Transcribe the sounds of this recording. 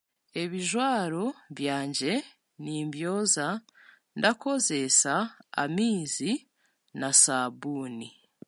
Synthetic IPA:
e̞βiʒwaːɾo̞βjaːɲɟe̞ | niːmbjo̞ːza | ndako̞ze̞sa̰ːmiːzi | nasabuːni

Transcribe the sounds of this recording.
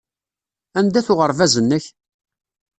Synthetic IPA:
ænd̪æθʊʁəɾˤvæzənːəç

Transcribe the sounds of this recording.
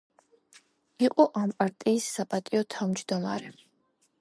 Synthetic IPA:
iqʼɔʔampʼaɾt̪ʼiːsːapʼat̪ʼiɔt̪ʰavmd͡ʒd̪ɔma̰ɾɛ

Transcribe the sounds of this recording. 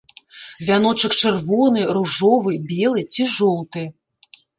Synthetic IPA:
vʲanɔt͡ʂɐkt͡ʂɨrvɔnɨruʐɔvɨbʲɛlˠɨt͡sʲiʐɔlˠt̪ɨ

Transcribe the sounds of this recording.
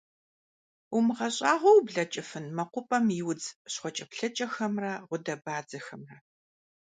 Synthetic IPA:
ʊmɨʁɐɕʼaːʁʷɔwbɮɐt͡ʃʼɪfɨnmɐqʷʊpʼɐmɪwd͡zɕχʷɔt͡ʃʼɐpɬɐt͡ʃʼɐxɐmrɐʁʷʊdɐbaːd͡zɐxɐmrɐ

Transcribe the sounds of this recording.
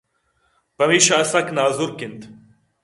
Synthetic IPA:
pɐmiːʃɐːsɐknaːzuɾkint̪

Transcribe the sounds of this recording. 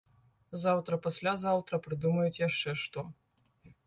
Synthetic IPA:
zawt̪ɾɐpasʲlʲazawt̪ɾɐpɾɨd̪umɐjut͡sʲjaʂt͡ʂɛʂt̪ɔ

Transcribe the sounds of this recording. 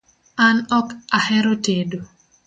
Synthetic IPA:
anɔkahɛɾotedo

